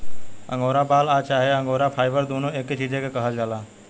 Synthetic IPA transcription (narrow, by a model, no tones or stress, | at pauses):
ə̰̃ŋɡoːɾabaːlat͡ʃaːɦeə̃ŋɡoɾapʰaːjʋəɾd̪onoeket͡ʃid͡ʒekekəɦəld͡ʒala